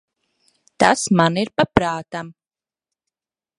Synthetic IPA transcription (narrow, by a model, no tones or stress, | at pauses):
t̪asmaniɾpapɾaːt̪am